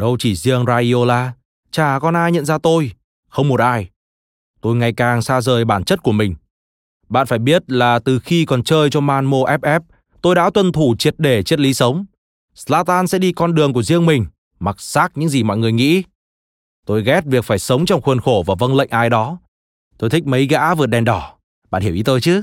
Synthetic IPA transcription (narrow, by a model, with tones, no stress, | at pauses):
ɗə˧wt͡ɕi˧˩zi˧əŋzaː˧ɗi˧o˧laː˧˩ | t͡ɕaː˨˩kɔ˨˩nʔaː˧jɲə̰˧˨nzaː˧t̪o˧j | xə˧wŋ͡mmo˨˩t̚ʔaː˧j | t̪o˧jŋa˨˩jkaː˨˩ŋsaː˧zəː˨˩jɓaː˧˩nt͡ɕə˦˥t̚ku˧˩əmï˨˩ŋ̟ | ɓa̰ː˧˨nfaː˧˩jɓi˦˥ət̚laː˨˩t̪ɨ˨˩xi˧kɔ˨˩nt͡ɕəː˧jt͡ɕɔ˧maː˧nmo˧ʔɛ˦˥p̚ʔɛ˦˥p̚ | t̪o˧jɗa̰ː˧˥t̪wə˧nt̪ʰu˧˩t͡ɕi˨˩ət̚ɗe˧˩t͡ɕi˦˥t̚li˨˦sə˨˦wŋ͡m | slaː˧t̪aː˧nsɛ̰˧˥ɗi˧kɔ˧nɗɨ˨˩əŋku˧˩əzi˧əŋmï˨˩ŋ̟ | ma˨˩k̚saː˦˥k̚ɲɨ̰˧˥ŋzi˨˩mɔ̰˧˨jŋɨ˨˩əjŋḭ˧˥ | t̪o˧jɣɛ˦˥t̚vi˨˩ək̚faː˧˩jsə˨˦wŋ͡mt͡ɕɔ˧wŋ͡mxwiə˨˩nxo˧˩vaː˨˩və˧nlə̰˧˨jŋ̟ʔaː˧jɗɔ˨˦ | t̪o˧jt̪ʰï˦˥k̟̚mə˨˦jɣa̰ː˧˥vɨ˨˩t̚ɗɛ˨˩nɗɔ˧˩ | ɓa̰ː˧˨nhi˧˩wʔi˨˦t̪əː˧jt͡ɕɨ˨˦